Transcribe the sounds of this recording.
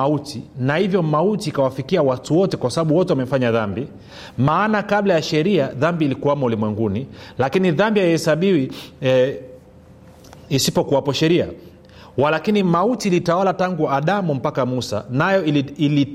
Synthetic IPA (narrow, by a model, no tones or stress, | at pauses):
autinahivjɔmautiːkawafikiawatuwɔtɛkwasaɓaɓuwɔtɛwamɛfaɲaðambi | maːnakaɓlajaʃɛɾiaðambiːlikuwamaulimwɛŋɡunilakiniðambiajɔhɛsaɓiwi | isipɔkuwapɔʃɛɾia | walakinimautilitawalataŋɡuaɗamum̩pakamusa̰najɔili